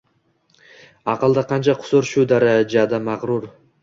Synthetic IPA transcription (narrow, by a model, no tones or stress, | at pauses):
ɑqəlˠd̪aqʰɑnt͡ʃʰaqʰʊ̥soɾʃud̪aɾad͡ʒad̪amɑʁɾuɾ